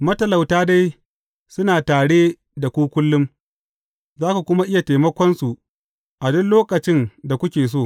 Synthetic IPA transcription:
mɐ˦tɐ˨la˨wtaː˦da˦j | sʊ˦naː˨taː˨ɽeː˦ | da˨kʷuː˦kʷʊ˦lːʊ˦m | zaː˦ka˨kʷʊ˦ma˦ʔɪ˦ja˨teː˨mɐ˦kʷɔ˦nsu˨ | ʔa˨dʊ˦nloː˦kɐ˨t͡ʃɪ˦nda˨kʷʊ˦kʲeː˨s̬oː˦˨

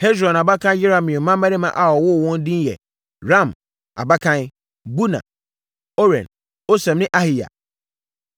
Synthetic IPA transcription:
hɛ˦sɾɔ̃˨n˨a˨ba˦kʰã˦jɪ˦ɾã˨mɪ̃˨ɔ̃˨mã˦mː˦ã˦nɪ̃˦mã̰˨ʔa˨ɔ˨wʊ˦˨wɔ̃˦n˦dĩ˦n˦jɛ̰˨ | ɾã˦˨m | a̰˨ba˦kʰã˦ | bu˦nã̰˨ | o˦ɾɛ̰̃˨n | o˦sɛ̃˨mnɪ̃˦ʔa˦hi˨ja̰˨

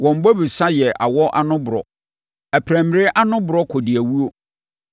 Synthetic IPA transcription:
wɔ̃˨m̩˨bɔ˦bi˨sa˦jɛ˨ʔa̰˨wɔ˦ʔa̰˦nʊ̃˦bʊ˨ɾɔ̰˨ | æ˨pʰɾæ̃˨m˨ɾɪ˦ʔa˦nʊ̃˦bʊ˨ɾɔ˦kʰɔ˨dɪ˨æ˨wu˦o˦

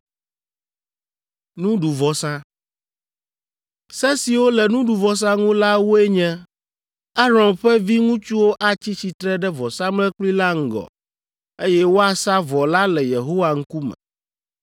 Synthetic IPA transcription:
nũ˦ɖu˨vɔ˨sã˦ | sɛ˦si˨wo˦lɛ˨nũ˦ɖu˨vɔ˨s̬ã˦ŋũ˦la˦wo˦e˦ɲɛ̃˦ | a˦ɾɔ̃˨mɸɛ˦vi˦ŋũ˦t͡ʃu˦wo˦ʔa˦t͡ɕi˦t͡ɕi˨t̪ɾɛ˦ɖɛ˦vɔ˨sã˦mlɛ̃˦k͡pli˦la˦ŋ̩˨ɡɔ̰˨ | e˦jɛ˦wo˦a˨sa˦vɔ˨la˦lɛ˨je˨ɦo˦wa˨ŋ̩˦ku˦mɛ̰̃˨

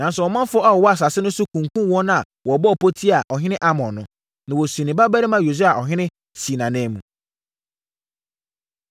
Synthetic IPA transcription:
nã˨n˦sʊ˨ɔ˨mã˦fʊ˦ɔ˦a˨wɔ˨wɔ˦a˨s̬a˨sɪ˦nʊ̃˦sʊ˦kʰũ˨ŋ˨kʰũ˦wɔ̃˦nã˦a˨ | wɔ˨bɔ˦ɔ˨pʰo˦tʰi˦a˨ʔɔ˨ɦɪ̃˦nɪ̃˦ʔa˦mɔ̃˨nʊ̃˦ | nã˨wɔ˨snɪ̃˨ba˦bæ˦ɾɪ˦mã˦jo˨s̬u˦a˨ʔɔ˨ɦɪ̃˦nɪ̃˦ | si˨nã˨nɛ̃ː˦mũ˨

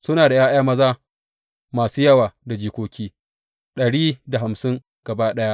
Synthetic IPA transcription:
sʊ˦naː˨da˨jaː˦jaː˦mɐ˦zaː˦ | maː˨suː˦jɐ˦waː˨da˨d͡ʒiː˨kʷoː˦kʲiː˦ | ɗɐ˨ɽiː˦da˨ɦa˨msɪ˦ŋ | ɡ̥ɐ˨baː˦ɗɐ˦ja˦ʔ

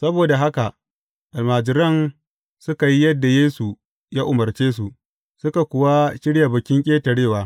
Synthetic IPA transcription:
sɐ˦boː˨da˨ɦa˦ka˨ | ʔa˨lmaː˨d͡ʒɪ˨ɾɐ˦˨n | sʊ˦ka˨ji˦jɐ˦dːa˨jeː˦su˨ | jaː˦ʔʊ˨mɐ˨rt͡ʃeː˦s̬u˨ʔ | sʊ˦ka˨kʷʊ˨wa˦ʃɪ˦ɽja˨bʊ˨kʲɪ˦ŋkʲʼeː˦tɐ˨ɽeː˦˨waː˨˦

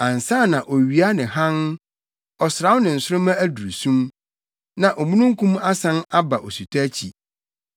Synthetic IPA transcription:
ã˨n˨sa˦˨nã˨ʔɔ˨ɥi˨a˦nɪ̃˨ɦã˦n | ɔ˨sɾa˨˦wʊ˦nɪ̃˨n̩˨sʊ˦ɾʊ˦mã˦æ˦du˨ɾsũ˦m | nã˨ʔɔ˨mũ˦nũ˦ŋ˦kʰũ˦ma˦sã˦na˦ba˨ʔɔ˨su˨tʰa˦t͡ɕʰḭ˨

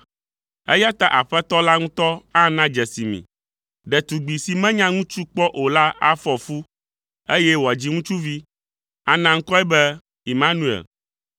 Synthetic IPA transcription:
ḛ˦ja˦t̪a˦ʔa˨ɸɛ˦t̪ɔ˦la˦ŋũ˦t̪ɔ˦ã˦nã˦d͡ʒɛ˨si˨mḭ̃˨ | ɖɛ˨t̪u˨ɡ͡bi˨si˨mɛ̃˦ɲã˦ŋũ˦t͡ʃu˦k͡pɔ˦ʔo˨la˦a̰˦fɔ˨fu˦ | e˦jɛ˦wo˨a˨d͡ʑi˦ŋũ˦t͡ʃu˦vi˦ | a˨nã˦ŋ̩˦kɔ˦ɛ˦bɛ˦ | i˨mã˦nũ˨ḛ˨l

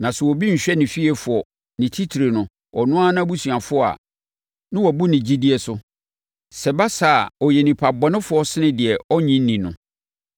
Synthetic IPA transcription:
nã˨sɛ˨wɔ˨bi˦ɲ̩˨ɕᶣɛ˦nɪ̃˨fi˦ɛ˨fʊ˨ɔ˨ | nɪ̃˨tʰi˦tʰi˨ɾe˨nʊ̃˨ | ɔ˨nʊ̃˦a˦nã˦bu˦su˨a˨fʊ˦ɔ˦a̰˨ | nɪ̃˦wɔ˨bu˦nɪ̃˨d͡ʑi˦di˦ɛ˨sʊ˦ | sɛ˨ba˦sa˨ɔ˨jɛ˨nɪ̃˨pʰa˨bɔ˨nɪ̃˦fʊ˨˦ɔ˦sɪ˦nɪ̃˦dɪ˨ɛ˨ɔ˦ɲĩ˦n̩˦nĩ˨nʊ̃˨

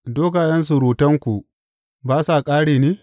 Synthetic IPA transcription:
doː˦kaː˨jɐ˦ns̬u˨ɾuː˨tɐ˦ŋkʷu˨ | baː˦saː˨kʼaː˦ɽiː˨niː˦

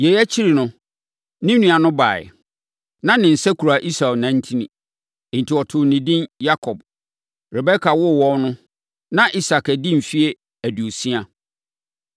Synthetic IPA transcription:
jɛ˨jɛ˦t͡ɕʰi˦ɾi˨nʊ̃˦ | nĩ˦nũ˨a˨nʊ̃˦ba̰ː˨ɛ̰˨ | nã˦nɪ̃˨n̩˨sɛ˦kʰu˨ɾa˨ʔi˦sa˨nã˨n̩˦tʰĩ˦nĩ˨ | n̩˨tʰi˨ɔ˨tʰʊ˨nɪ̃˨dĩ˦nja˦kʰɔ˨b | ɾɛ˨bɛ˦kʰa˨wʊ˦˨wɔ˦nʊ̃˦ | nã˦ʔi˦sa˨kæ˨dĩ˦m̩˨fi˦e˦ | æ˨du˨o˨sĩ˦a˨

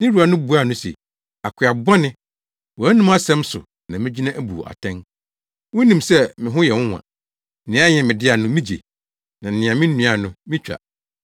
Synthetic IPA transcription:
nɪ̃˦ɾu˨˦a˨nʊ̃˦bu˨˦a˦˨nʊ̃˦sḛ˨ | a˨kʰɪ˨a˨bɔ˦nɪ̃˦ | wɔ˨æ˦nũ˦m˦a˦sɛ̃˦msʊ̰˨ | nã˨mɪ̃˦d͡ʑi˦nã˦ʔæ˦bu˨ʔa̰˨tʰɛ̃˦n | wɔ˦nĩ˨msɛ˦mɪ̃˨ɦʊ̃˦jɛ˨wʊ̃˦wʷã̰˨˦ | nɪ̃˨˦a˦ɲɛ̃˨mɪ̃˨dɪ˦a˨nʊ̃˦mĩ˦d͡ʑḛ˨ | nã˨n̩˨nɪ̃˨ã˨mɪ̃˦n̩˦ũ˦a˨nʊ̃˦mɪ̃˦t͡ɕᶣa̰˨

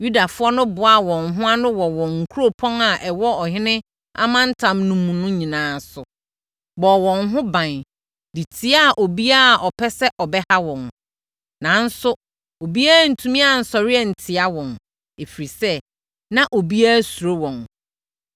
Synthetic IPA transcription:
ju˦da˨fʊ˦ɔ˦nʊ̃˦bʊ˨a˦˨wɔ̃˨ŋɦʊ̃˦a˦nʊ̃˦wɔ˨wɔ̃˨ŋ̩˨kʰu˦ɾo˦pʰɔ̃˦na˨ʔɛ˨wɔ˦ɔ˨ɦɪ̃˦nɪ̃˦ | a̰˦mã˦n̩˦tʰã˨mnũ˦mũ˨nʊ̃˦ɲĩ˨nãː˨˦sʊ˨ | bɔ˨wɔ̃˨nɦʊ̃˦bã˨n | di˨tʰi˦a˦˨ʔo˨bi˦a˦˨ʔɔ˨pʰɛ˦sɛ˦ʔɔ˨bɛ˦ha˦wɔ̃˨n | nã˨˦n̩˦sʊ˦ | o˨bi˦aː˦˨n̩˨tʰũ˦mĩ˦a˨n̩˨sɔ˨ɾɪ˦ɛ˦˨n̩˨tʰɪ˨a˦wɔ̃˨n | e˨fi˨ɾi˨sɛ˦ | nã˦ʔo˨bi˦a˦su˨ɾo˦wɔ̃˨n

